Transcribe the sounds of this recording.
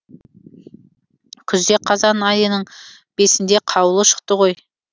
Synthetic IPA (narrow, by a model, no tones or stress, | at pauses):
kʲʰʏzd̪e̞qʰɑzɑnɑjənəɴ | b̥e̞sɪnd̪eqʰɑwəlˠəʃə̥qt̪əʁo̞j